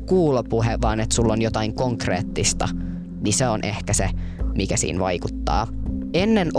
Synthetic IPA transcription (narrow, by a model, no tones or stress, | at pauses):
kuːlopuɦeʋɑːnet̪sulːonjot̪ɑiŋkoŋkreːt̪ːist̪ɑ | niseonʔehkæsemikæsḭːnʋɑjkut̪ːɑ̰ːenːen